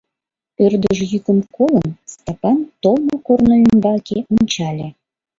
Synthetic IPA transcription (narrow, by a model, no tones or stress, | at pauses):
ørd̪əʒjykə̆mkolənst̪ɑpɑnt̪olmokornəynbɑlkeʔonʲt͡ɕɑlʲe